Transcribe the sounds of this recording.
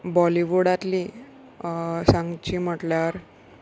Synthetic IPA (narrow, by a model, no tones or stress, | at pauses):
bɔliʋuɽat̪li | sãŋɡt͡ɕiːm̤əʈljaɾ